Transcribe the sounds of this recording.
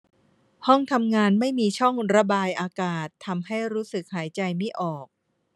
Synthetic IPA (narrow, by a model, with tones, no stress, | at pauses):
hɔ˥˩ŋt̪ʰa˧mŋaː˧nma˥˩jmiː˧t͡ɕʰɔ˥˩ŋɾa˧baː˧jʔaː˧kaː˨˩t̪ʰːa˧mha˥˩jɾuː˦˥sɯ˨˩k̚haː˩˦jt͡ɕa˧jmi˦˥˩ʔɔː˨˩k̚